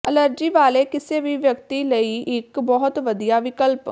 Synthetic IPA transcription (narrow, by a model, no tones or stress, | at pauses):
ələɾd͡ʒiːʋaːleːkɪseːʋiːʋjəkt̪iːləiːʔɪkbɔɦʊt̪ʋəd̪ijaːʋɪkəlp